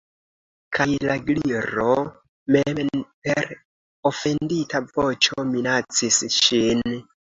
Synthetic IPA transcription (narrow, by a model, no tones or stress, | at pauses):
kʰajlaɡliɾo | menpeɾ | ofe̞nditavot͡ʃominat͡sisʃin